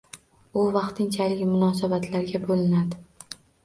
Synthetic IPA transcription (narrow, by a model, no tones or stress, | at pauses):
ʊvɑqt̪ʰɪŋt͡ʃʰalɪkʲmʊnɒsabat̪ʰlaɾɡʲabolɪnad̪ɪ